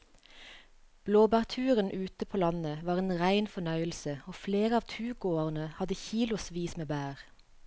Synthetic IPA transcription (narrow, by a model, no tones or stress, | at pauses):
b̥loːbæːʁt̪ʰʉːʁənʔʉːt̪əpʰoːlɑnəʋɑːʁeːnʁæɪnfɔnœʏəlsəoːfleːʁəɑːʋt̪ʰʉːɡoːʁənəhɑd̪əçiːlʊsʋiːsmeːbæːʁ